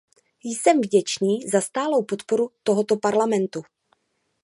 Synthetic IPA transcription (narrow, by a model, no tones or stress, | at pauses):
jsɛmvɟɛt͡ʃniːzast̪aːlo̞wpo̞t̪po̞ɾut̪oɦot̪o̞paɾlamɛnt̪u